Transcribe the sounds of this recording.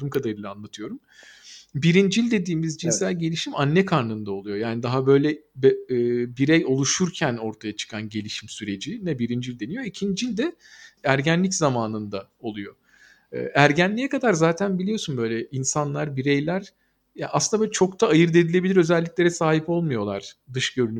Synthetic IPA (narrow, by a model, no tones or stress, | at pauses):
umkʰad̪aɾɯlˠanlˠat̪ʰɯjo̞ɾum | biɾind͡ʒilʲd̪e̞d̪iːmizd͡ʒinssælʲɟe̞lʲiʃimanːɛkʰaɾnɯnd̪ao̞lˠujo̞jaːnid̪aɦabø̞jlʲɛbːbiɾejo̞lˠuʃuɾcʰæno̞ɾt̪ʰajat͡ʃʰɯ̥kʰanɟe̞lʲiʃimsyɾe̞d͡ʒinɛbiɾind͡ʒilʲd̪e̞nijo̞icʰind͡ʒilʲd̪ɛ | æɾɟænlʲiczamaːnɯnd̪ao̞lˠujo̞̰ | ɯ̰ʔæɾɟænlʲijɛkad̪aɾzaːt̪ʰænbilʲijo̞sunbø̞jlʲɛʔinsanlˠaɾbiɾe̞jlʲæɾ | ja̰ʔasɯnd̪aøːlʲɛt͡ʃʰo̞kt̪ʰaːjɯɾd̪e̞d̪ilʲe̞bilʲiɾø̞zɛlʲːicʲlʲe̞ɾɛsaːɦipo̞lˠmujo̞lˠaɾ̥d̪ɯʃɟø̞ɾyny